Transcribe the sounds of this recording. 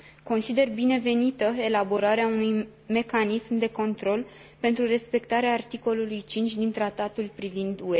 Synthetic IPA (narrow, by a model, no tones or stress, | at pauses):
ko̞nsid̪e̞rbine̞ve̞nit̪əe̞labo̞ɾaɾeaunuj | me̞kanismd̪e̞ko̞nt̪ɾo̞l | pe̞nt̪ɾure̞spe̞kt̪aɾeaːrt̪iko̞lulujt͡ʃint͡ʃʲd̪int̪ɾat̪at̪ulpɾivind̪ue̞